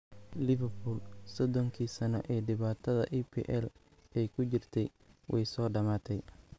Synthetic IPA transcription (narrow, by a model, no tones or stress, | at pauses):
lɪβɛrpuːlsɔd̪ɔŋkʰiːsɐnɔʔɛːɖɪβaːt̪ʰɐðɐ̰ʔipʰḭːʔɛl | ɛjkʰʊt͡ʃɪrt̪ʰɛj | wʔɛjsɔːɖɐmaːt̪ʰɛj